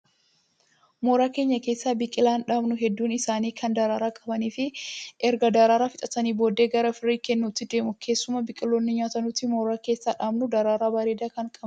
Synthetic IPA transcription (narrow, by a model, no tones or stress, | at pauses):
moːɾaːke̞ːɲːɐke̞ːsːaːbɪkʼɪlaːnᶑaːbnʊɦɛd̪ːuːnɪsaːniːkʰɐnd̪ɐɾaːɾaːkʼɐbɐniːfɪʔɛɾɡɐd̪ɐɾaːɾaːfɪt̪ʼɐt̪ɐniːbo̞ːd̪eːɡɐɾɐfɪrːiːkɛnːuːt̪ːɪd̪e̞ːmʊkʰe̞ːsːʊmɐbɪkʼɪlːoːnːɪɲaːt̪ɐnuːt̪ːɪmoːɾaːke̞ːsːaːᶑaːbnʊd̪ɐɾaːɾaːbɐɾeːd̪aːkɐŋkʼɐb